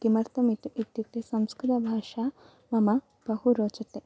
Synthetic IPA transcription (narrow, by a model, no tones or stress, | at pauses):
kimɐɾt̪ɐmit̪it̪ːit̪ːesɐmskɾɪt̪ɐbʱaːʃa | mɐmɐ | b̥ɐhuɾoːt͡ʃɐt̪e